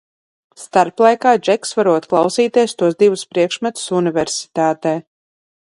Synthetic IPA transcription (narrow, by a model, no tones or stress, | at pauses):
st̪aɾplˠajkaːd͡ʒɛksvaɾuɔt̪klˠawsiːt̪iɛst̪uɔsd̪ivuspɾiɛkʃmʲɛt̪u̥sunivɛɾsi̥t̪aːt̪ɛː